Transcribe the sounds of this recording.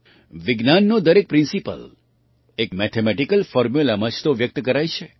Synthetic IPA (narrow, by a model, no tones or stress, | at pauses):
ʋɪɡnanːod̪əɾek̚pɾɪ̃nsipə̰l | ekmɛt̪ʰemɛʈikəlfɔɾmjulamət͡ʃt̪oʋjək̚t̪kəɾajt͡ʃʰe